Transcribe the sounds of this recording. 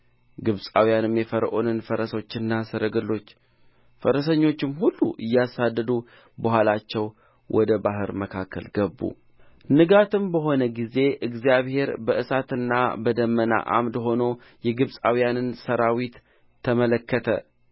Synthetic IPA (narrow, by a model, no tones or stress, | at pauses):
ɡɨβsʼa̰wjanɨmjɛfəɾʔonɨnfəɾəso̞t͡ʃːɪnːasɨɾəɡɨlːo̞t͡ʃː | fəɾəsəɲːo̞t͡ʃːɪmhulːṵʔɨjːasad̪ːəd̪u | bəhʷalat͡ʃːɛw | wʔɔ̰d̪əbaɦɨɾməkʰakːə̰lɡəbːṵ | nɨɡat̪ʰɨmbəɦo̞nəɡize̞ʔɨɡzijaβhe̞ɾbəʔɨsat̪ɨnːa̰bəd̪əmːəna̰ʔa̰md̪ɦo̞no̞ | jɛɡɨβsʼawijanɨnsəɾawit̪ʰː | əmələkʰːət̪ʰə̰